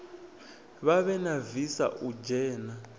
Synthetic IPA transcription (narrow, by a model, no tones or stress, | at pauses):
βaβɛnavisa̰ʔud͡ʒɛːna